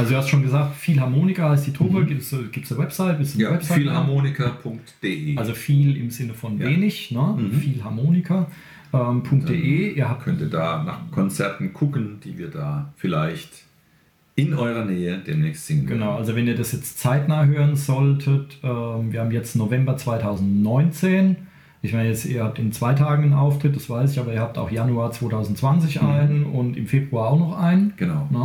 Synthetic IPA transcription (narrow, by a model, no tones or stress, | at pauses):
alzoduːhastʃoːnɡəzaːk̚tfiːlhaɐmoːnɪkahaɪstd̥iːtʁ̥ʊpəɡiːptsɡ̥iːp̚tsnəwɛpz̥aɪtb̥ɪstʊnwɛpsfaɪiːlhaɐmoːnɪkʰapʰʊŋk̚td̥eːʔeːʔalzofiːlɪ̰mzɪnəfɔnveːnɪçnəfiːlɦaɐmoːnɪkʰɐ | ʔɛːmpʰʊŋk̚td̥eːʔeːʔiːɐɦaːp̚kʰœntiːɐda̰ːna̰ːχkʰɔnt͡sɛɐtn̩kʰʊkənd̥iːviːɐdaːfɪlaɪçt | ʔɪnʔɔʏʁɐnɛːəd̥eːmnɛːkstz̥ɪŋən̩ɡ̥ənaʊʔalzovɛniːɐdasjɛt͡stt͡saɪtnaːhøːʁənzɔltʰətʔɛːmviːɐhaːbmjɛt͡stnovɛmbɐt͡sv̥aɪtʰaʊzn̩tnɔʏnt͡seːn | ʔɪçmaɪnəjɛt͡stiːɐhaːp̚tɪnt͡sv̥aɪtʰaːɡŋ̩ənʔaʊftʁ̥ɪt̚d̥asv̥aɪsɪçaːbɐiːɐhaːp̚tʰa̰ʊxjanuaːɐt͡sv̥oːtʰaʊzn̩tt͡sv̥ant͡sɪçʔaɪnənʔʊntɪ̰mfeːbʁuaːaʊxnɔχʔaɪnənɡ̥ənaʊnə